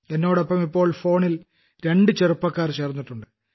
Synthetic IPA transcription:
enːo̞ːɽɐpːɐmipːo̞ːɭfo̞ːɳil | ɾe̞ɳɖɨt͡ɕerupːɐkːaːrt͡ɕeːrnːiʈːuɳɖɨ

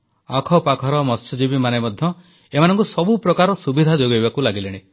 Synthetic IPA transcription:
akʰɔpakʰɔɾɔmɔst͡ʃɔd͡ʒibimanemɔd̪ʱjɔ | emanɔ̃ŋkusɔbupɾɔkaɾɔsubid̪ʱad͡ʒoɡɔjbakulaɡileɽ̃i

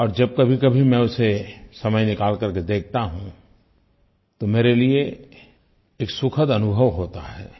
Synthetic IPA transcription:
ɔːɾd͡ʒɐb̚kɐbʱikɐbʱimɛ̃ʊsesɐməjnɪkaːlkɐɾked̪eːk̚ʰt̪aɦũ | t̪omeːɾelie | eːksʊkʰəd̪ɐnʊbʱəʋɦoːt̪aɦɛ̰ː

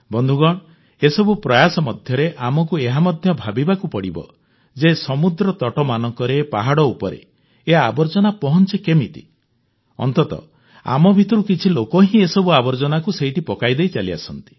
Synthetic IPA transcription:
bɔnd̪ʱuɡɔɽ̃ɔ | esɔbupɾɔjasɔmɔd̪ʱjɔɾeʔamɔk̬ueɦamɔd̪ʱjɔbʱabibakupɔɽibɔ̰ | d͡ʒesɔmud̪ɾɔt̪ɔʈɔmanɔŋkɔɾepaɦaɽɔupɔɾḛ | eabɔɾd͡ʒɔnapɔɦɔnt͡ʃikemit̪i̥̰ | ɔ̰nt̪ɔt̪ɔ̰ | a̰mɔbʱit̪ɔɾukit͡ʃʰilokɔɦĩesɔbuabɔɾd͡ʒɔnakuseɦiʈipɔkajd̪ejt͡ʃalia̰sɔnt̪i̥

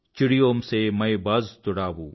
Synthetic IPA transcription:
t͡ʃɪɽijoːmsemɐjbɐzt̪ʊɽaːʋũː

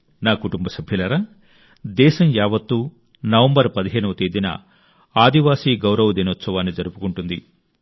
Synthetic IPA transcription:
naːkuʈumbɐsɐbʱjɐlɐɾa | d̪ɛːʃɐmjaːʋɐt̪ːuː | nɐʋɐmbɐɾpɐd̪iɦeːnuʋɐt̪eːd̪inɐ̰ | aːd̪iʋaːsiːɡɐwɾɐʋud̪inot̪sɐʋaːnːid͡ʒɐɾupukuɳʈund̪i

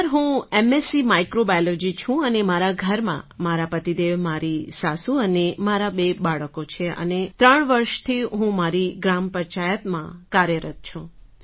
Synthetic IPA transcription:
əɾɦũemesimajkɾobajolod͡ʒit͡ʃʰũənemaɾaɡʱəɾmã̰maɾapət̪id̪eʋmaɾisasuənemaɾabebaɭəkot͡ʃʰeə̰net̪ɾəɳʋəɾʃt̪ʰiɦũmaɾiɡɾampət͡ʃajət̪mã̰kaɾjəɾət̪̚t͡ʃʰũ

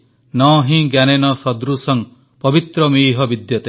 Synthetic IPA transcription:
nɔɦĩɡjanenɔsɔd̪ɾusɔŋ | pɔbit̪ɾɔmiːɦɔbid̪jɔt̪e

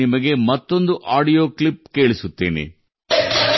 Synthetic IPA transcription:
imɐɡe̞mɐt̪ːo̞nd̪uʔaːɖijo̞ːkɭip̚ke̞ːɭisut̪ːeːnḛ

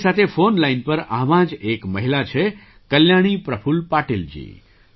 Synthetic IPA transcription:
sat̪ʰefonlainpəɾa̰ʋãd͡ʒekməɦilat͡ʃʰe | kəljaɽ̃ipɾəpʰulpaʈild͡ʒḭ

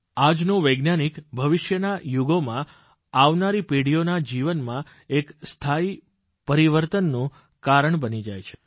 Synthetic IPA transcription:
ad͡ʒnõʋəjɡnanikbʱəʋɪʃjənajuɡomã | aʋnaɾipiɽijonad͡ʒiʋənmã | ekst̪ʰai | pəɾiʋəɾt̪ənːũ | kaɾəɳbənid͡ʒajt͡ʃʰe̥

